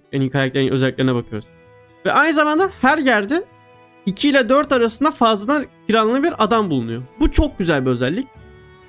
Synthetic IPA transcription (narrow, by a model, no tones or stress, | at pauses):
enikʰaɾak̚t̪ʰeɾinøzɛlʲːiklʲeɾnɛbakʰɯjoɾuz̥ | vɛʔajnɯzamand̪ahæɾɟæɾd̪ɪ | icʰiilʲɛd̪øɾt̪aɾasɯnd̪afazlˠad̪ankʰiɾanlˠɯbiɾad̪ambulˠunujobut͡ʃʰok̚ɟyzælʲbiø̞zælʲːic̚